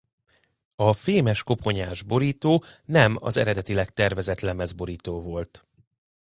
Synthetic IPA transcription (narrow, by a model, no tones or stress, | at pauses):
ɒfeːmɛʃko̞pʰo̞ɲaːʒbo̞ɾiːt̪oːnɛmɒ̰zɛ̰ɾɛd̪ɛt̪ilɛkt̪ɛrvɛzɛt̪lɛmːɛzbo̞ɾiːt̪oːvo̞lt̪